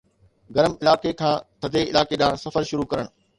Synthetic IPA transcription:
ɡɐɾəmɪlaːkekʰãːt̪ʰɐd̪ʱeɪlaːkeɗãːsɐfəɾʃʊɾukɐɾəɽ̃

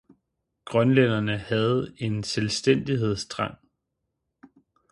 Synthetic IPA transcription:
ɡ̥ʁɶnlen̰ɐnəhæð̞̩ˠe̝nselsd̥en̰d̥iɦe̝ð̞̰ˠsd̥ʁɑ̈ŋ̰

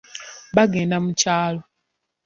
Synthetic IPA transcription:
βaɡeːndamucaːlo

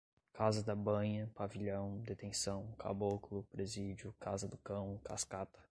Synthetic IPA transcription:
kazɐd̪ɐbɐ̃ɲɐpaviʎɐ̃w̃d̪et̪ẽsɐ̃w̃kʰa̰bokʊlʊpɾezid͡ʒiʊkazɐd̪ʊkɐ̃w̃kaskat̪ɐ̥

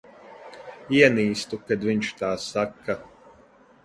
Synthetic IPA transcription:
iɛniːst̪ukad̪vʲiɲʲʃt̪aːsakːa

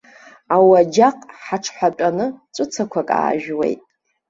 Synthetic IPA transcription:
awad͡ʒaqʼħaʈ͡ʂʰħʷapʼanɨt͡sʷʼɨt͡sʰakʷʰakʼa̰ːʒᶣwḛjtʼ

